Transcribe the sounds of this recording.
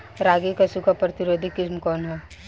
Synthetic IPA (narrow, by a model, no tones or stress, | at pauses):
ɾaːɡikɐsukapɾɐt̪ɪɾoːd̪ʱikɪsmkɔːnɦɛː